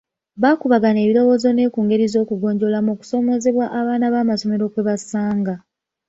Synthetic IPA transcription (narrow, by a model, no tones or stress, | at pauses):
βakuβaɡane̞ːβilo̞wo̞ːzo̞ne̞ːkuːŋɡe̞ɾizo̞ːkuɡo̞ːɲɟo̞lamoku̥so̞mo̞ze̞βwaʔaβaːnaβaːmaso̞me̞ɾo̞kwe̞βasaːŋɡa